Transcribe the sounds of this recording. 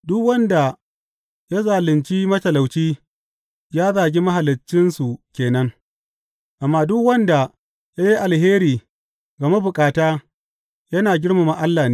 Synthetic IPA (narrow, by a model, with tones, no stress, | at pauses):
dʊ˦kwɐ˦nda˨ | ja˦zaː˨lɪ˨nt͡ʃi˦mɐ˦tɐ˨la˨wt͡ʃiː˦ | jaː˦zaː˨ɡʲi˦mɐ˦ɦa˨lɪ˨t͡ʃːɪ˦nsu˨kʲeː˨nɐ˦ŋ | ʔa˨mːaː˦dʊ˦kwɐ˦nda˨ | ja˦ji˦ʔa˨lheː˦ɾiː˨ | ɡa˨ma˦bʊ˨kʼaː˨taː˦ | jɐ˦naː˨ɡʲɪ˦ɽma˨ma˨ʔa˦lːaː˨niː˦